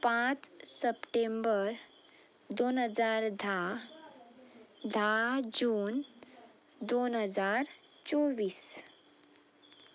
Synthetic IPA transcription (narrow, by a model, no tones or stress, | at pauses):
pãt͡ssəpʈembəɾ | d̪onɦəd͡zaɾd̪ʱa | d̪ʱad͡ʑuːn | d̪onɦəd͡zaɾt͡soʋiːs